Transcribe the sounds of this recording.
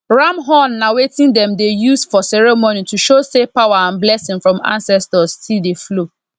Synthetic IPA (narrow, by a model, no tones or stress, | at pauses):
ɹamɦɔ̃nːawetĩndɛ̃mdejusfɔsɛɹɛmonituʃosepawaãnblɛsɪ̃ŋfɹɔ̃mã̰nsɛstɔstʰildeflo